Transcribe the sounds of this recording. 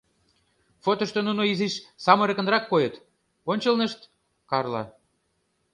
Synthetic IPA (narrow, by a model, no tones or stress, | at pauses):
fot̪ŏʃt̪ŏnunoiziʃsɑmə̆ɾĕkə̆nɾɑkːojɤt̪ | onʲt͡ɕəlnəʃt̪ | kɑrlɑ̰